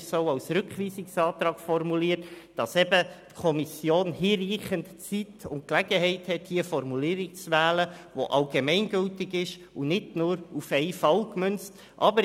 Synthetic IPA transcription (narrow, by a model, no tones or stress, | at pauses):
soʊɑwsɾʏkχʋiːsɪksɑːt̪ɾɑːɡfɔrmuliːətd̥ɑsɛbətkʰɔmisjoːnhiːɾiːχəntt͡sitʊnt̚klæɡəhɛɪthɛt̚hiəfɔrmuliːɾikt͡sʋæːləʋoʔɑlɡemɛnɡʏltɪɡɪʃ | unɪdnʊːɾufɛɪfɑlkmʏnt͡st | ʔɑ̰bəɾ